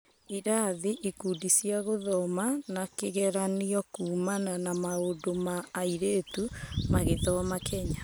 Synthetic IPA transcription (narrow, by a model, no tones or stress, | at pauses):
iɾaðiʔikuːdisjaɣoðɔmanakeɣɛɾaniɔkuːmananamaodomaːiɾeːtumaɣeðɔmakʰɛɲa